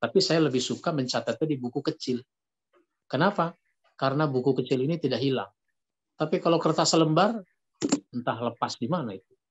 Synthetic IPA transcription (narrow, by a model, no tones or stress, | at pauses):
t̪apisajaləbɪhsukaməɲt͡ʃat̪at̪̚ɲadibukukət͡ʃɪl | kənapa | kaɾənabukukət͡ʃɪlinit̪idaɦila̰ŋ | t̪apikalokərt̪asələmbar | ənt̪aɦləpasdimanait̪̚u̥